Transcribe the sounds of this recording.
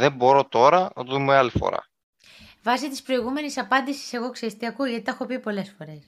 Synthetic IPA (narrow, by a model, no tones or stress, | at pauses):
ðe̞mbo̞ɾo̞t̪o̞ɾɐnɐt̪oðumealifo̞̰ɾɐ̰ | vɐsit̪ispɾo̞iɣume̞nisɐpɐnd̪isi̥se̞ɣo̞ksiɐst̪iɐkuʝɐt̪i̥t̪ɐxopipo̞le̞sfo̞ɾe̞s